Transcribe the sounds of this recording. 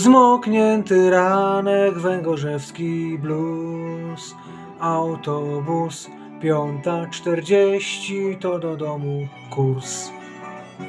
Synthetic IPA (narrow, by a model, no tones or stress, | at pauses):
zmɔkɲɛnt̪ɘɾamɛɡvɛŋɡɔʐɛfskʲiblu | s | awt̪ɔbus | pʲjɔnt̪at͡ʂt̪ɛɾd͡ʑeɕt͡ɕit̪ɔd̪ɔd̪ɔmu | kuɾs